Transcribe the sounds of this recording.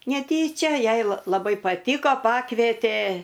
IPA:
nʲɛˈtʲiːt͡ʃʲɛ ˈjɛɪ lˠɐ lˠɐˈbɐɪ pɐˈtʲiːkoː ˈpɑːkʋʲeːtʲeː

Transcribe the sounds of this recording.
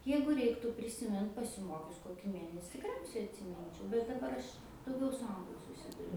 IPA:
ˈjɛɪɡʊ ˈrʲɛɪktuː pʲrʲɪsʲɪˈmʲɪnt pɐsʲɪˈmoːkʲʊs ˈkoːkʲiː ˈmʲeːnʲɛsʲɪ tʲɪkˈrʲɛʊsʲɛɪ ɐtʲsʲɪˈmʲɪnʲt͡ʃʲɛʊ bʲɛt dɐˈbɐr ˈɐʃ dɐʊˈɡʲɛʊ sʊ ˈɐŋɡlˠʊ sʊˈsʲɪdʊrʲʊ

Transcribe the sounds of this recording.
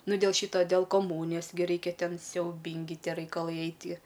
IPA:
ˈnʊ dʲeːlˠ ˈʃʲiːtoː dʲeːlˠ koːˈmuːnʲɪjoːs ɡʲɪ ˈrɐɪkʲɛ ˈtʲɛn sʲɛʊˈbʲɪŋʲɡʲɪ ˈtʲiɛ rɐɪkɐlˠɐɪ ˈɐɪtʲiɛ

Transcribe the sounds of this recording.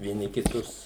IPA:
ʋʲiɛˈnʲɪ kʲɪˈtʊs

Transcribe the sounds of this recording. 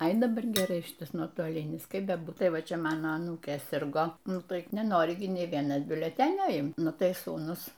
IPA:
ɐɪ dɐˈbɐr ɡʲɛˈrɐɪ ˈʃʲɪtɐs nuɔtoːˈlʲɪnʲɪs ˈkɐɪp bʲɛˈbuːt ˈtɐɪ ˈʋɐ ˈt͡ʃʲɛ ˈmɑːnoː ɐˈnuːkʲeː ˈsʲɪrɡoː ˈnʊ ˈtɐɪp nʲɛˈnoːrʲɪ ɡʲɪ ˈnʲeː ˈʋʲiɛnɐs bʲʊlʲɛˈtʲæːnʲoː ˈɪmt ˈnʊ ˈtɐɪ ˈsuːnʊs

